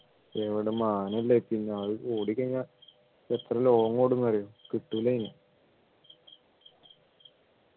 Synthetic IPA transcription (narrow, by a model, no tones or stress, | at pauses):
eʋiɽemaːnɐlːepinːeɐʋɭoːɽikʲːɐŋːa | et̪rɐlo̞ːŋːoːɽunːɐrijukiʈːuʋilejina